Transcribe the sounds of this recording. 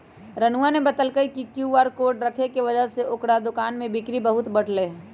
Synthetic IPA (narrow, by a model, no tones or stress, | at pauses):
ɾənuʋanebɐt̪əlkəikikjuaːɾkoːɾɖɾɐkʰekeʋɐd͡ʒəɦseʔʊkɽad̪ʊkaːnmẽbɪkɾibɐɦʊt̪bɐɽ̤leː